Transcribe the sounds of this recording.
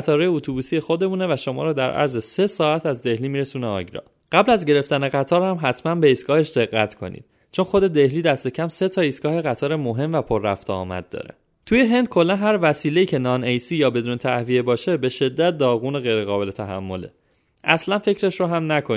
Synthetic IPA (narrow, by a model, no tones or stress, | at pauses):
t̪ʰɒːɾɒjeut̪ʰubuːsije̞xo̞d̪e̞muːne̞væʃo̞mɒ̰ːɾɒːd̪æɾʔæ̰ɾzese̞sɒːæt̪ʰæzd̪e̞hliːmiːɾe̞suːneɒ̰ɟɾɒ̰ | ɢ̥æblæzɟe̞ɾe̞ft̪æne̞ɣæt̪ʰɒːɾhæmɦæt̪ʰmænbe̞isɡɒːhe̞ʃd̪e̞ɣːæt̪ʰkʰo̞̰nḭd̪̥̚ | t͡ʃʰo̞nxo̞d̪e̞d̪e̞hliːd̪æst̪e̞cʰæmse̞t̪ʰɒːisɡɒːhe̞ɣæt̪ʰɒːɾemoɦe̞mvæpʰoɾːæft̪ʰḛːmæ̰d̪̚d̪ɒ̰ːɾḛ | t̪ʰuje̞ɦe̞nd̪̚kʰo̞lːænɦæɾvæsiːle̞iːcʰe̞nɒnejsiːjɒːbe̞d̪uːnet̪ʰæhviebɒːʃe̞be̞ʃe̞d̪ːæt̪̚d̪ɒːɣuːneɣe̞jɾeɣɒːbe̞le̞t̪ʰæɦæ̰mːo̞lḛ | ʔæslænfe̞cɾe̞ʃɾoɦæmnækʰo